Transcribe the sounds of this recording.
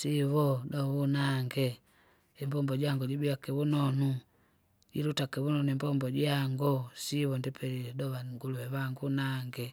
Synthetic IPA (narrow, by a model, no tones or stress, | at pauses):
siβɔdɔβunaŋɡɛ | ɛmbɔmbɔɟaŋɡɔɟibiakɛβunɔnu | ɟiɾutakɛβunɔnuimbɔmbɔɟaŋɡɔsiβɔndipʰɛɾiɛdɔβaŋɡuluwɛβaŋɡunaŋɡɛ